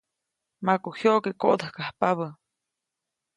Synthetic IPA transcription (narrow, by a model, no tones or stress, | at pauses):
makohjoʔkekoʔd̪əhkahpaβə